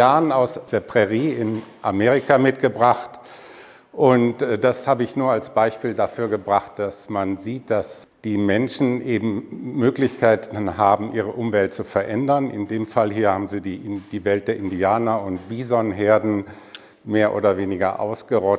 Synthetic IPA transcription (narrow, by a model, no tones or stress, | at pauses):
aːənaʊsd̥eːɐpʁ̥ɛʁiːɪnʔameːʁɪkamɪtɡ̥əbʁaχt | ʔʊntːd̥ashaːbəɪçnuːɐalsb̥aɪʃpiːldafyːɐɡəbʁaχt̚d̥asmanziːt̚d̥as | d̥iːmɛnʃn̩ʔeːbm̩møːklɪçkʰaɪtn̩haːbm̩ʔiːʁ̞əʔʊmvɛlt̚t͡sufɛɐʔɛndɐnʔɪ̰ndeːmfalɦiːɐhaːbm̩ziːdid̥iːvɛlt̚d̥eːɐʔɪndiaːnɐʊntb̥iːzɔnɦeɐdn̩ | meːɐʔo̰ːɾɐveːnɪɡɐ̰ʔa̰ʊsɡ̥əʁɔt